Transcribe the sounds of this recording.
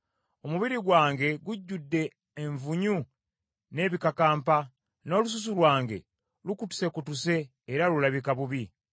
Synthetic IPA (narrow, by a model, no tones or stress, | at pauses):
o̞muβiɾiɡwaːŋɡe̞ɡuɟːudːe̞ː | ɱvuɲu | ne̞ːβikakaːmpa | no̞ːlus̬us̬ulwaːŋɡe̞̰ | lukutu̥se̞kutuse̞ː | ɾalulaβikaβuβi